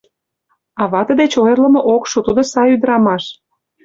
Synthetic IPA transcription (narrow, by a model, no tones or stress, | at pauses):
ɑβɑt̪ə̆d̪et͡ɕojərlə̆mŏʔokʃut̪ud̪ŏsɑyd̪ɾɑmɑʃ